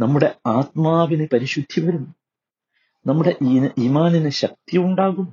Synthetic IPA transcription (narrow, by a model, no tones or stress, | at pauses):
nɐmːuɽe̞aːt̪̚maːʋinɨpɐɾiɕud̪ʱːiʋɐɾumːu | nɐmːuɽe̞ʔniːmaːninɨɕɐk̚t̪iuɳɖaːɣum